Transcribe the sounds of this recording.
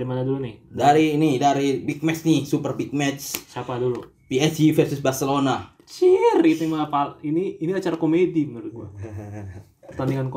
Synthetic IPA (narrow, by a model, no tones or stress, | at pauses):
ɾimanadulunɪhdaɾinidaɾibik̚mɛt͡ʃnihsupərbik̚mɛt͡ʃt͡ʃapadulu | piɛsifɛrsʊsbarselona | t͡ʃirkit̪aimanapaliniːnilat͡ʃaɾakomedibənaɾʊt̪̚ɡua̰ | pərt̪andiŋank